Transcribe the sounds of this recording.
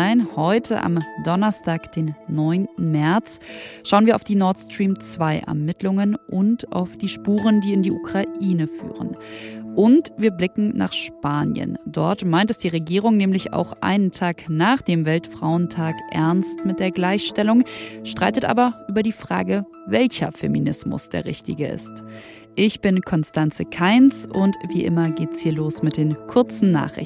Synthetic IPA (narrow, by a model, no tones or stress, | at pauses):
aɪnhɔʏtʰə̰ʔa̰mdɔnɐstaːkd̥eːnːɔʏntn̩mɛɐt͡sʃaʊənviɐaʊfd̥iːnɔɐtstʁ̥iːmt͡sv̥aɪʔɛ̰ɐmɪtlʊŋənʔʊnta̰ʊfd̥iːʃpuːʁ̞əndiːɪndiːʔukʁ̥aʔiːnəfy̰ːʁə̰nʔʊntviːɐblɪkŋ̩na̰ːχʃpaːnjə̰ndɔ̰ɐtmaɪntɛsd̥iːʁeɡiːʁʊŋnɛːmlɪça̰ʊxʔa̰ɪnəntʰaːknaːχd̥eːmvɛltfʁ̥aʊəntʰaːkʔɛ̰ɐnstmɪt̚d̥eːɐɡlaɪçʃtɛlʊŋʃtʁ̥aɪtətʔa̰ːbɐʔyːbɐdiːfʁ̥a̰ːɡə | vɛlçɐ̰fḛminɪsmʊ̰sd̥ḛːɐʁɪçtɪ̰ɡəɪ̰st | ʔɪçb̥ɪnkʰɔnstant͡səkʰaɪnsʔʊntv̥iːʔɪ̰mɐɡeːtshiːɐloːsmɪt̚d̥eːnkʰʊɐt͡sn̩na̰ːχɪ̰